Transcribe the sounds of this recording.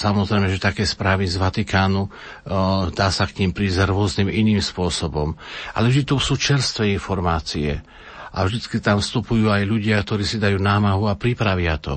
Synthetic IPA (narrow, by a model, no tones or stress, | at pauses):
samɔzɾɛjmɛʒɛt̪akɛːspɾaːʋizʋat̪ikaːnu | d̪aːsakɲiːmpɾiːzɾʊɔzniːminiːmspʊɔsɔbɔmʔa̰lɛvʒd̪it̪ɔsuːt͡ʃɛɾst̪ʋɛinfɔɾmaːt͡siɛ̰ | ʔa̰vʒd̪it͡skit̪amfst̪upujuːajʎuɟɪakt̪ɔɾiːsid̪ajuːnaːmaɦuapɾipɾaʋɪat̪ɔ̰